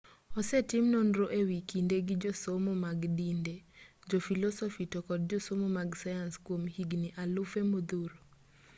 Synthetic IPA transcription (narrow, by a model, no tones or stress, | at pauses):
ɔsetɪmnonɾoʔewikindeɡɪd͡ʒosomomaɡdinded͡ʒɔfilɔsɔfitɔkɔd̚d͡ʒɔsomomaɡsajanskwomhiɡniʔalʊfemod̪uɾo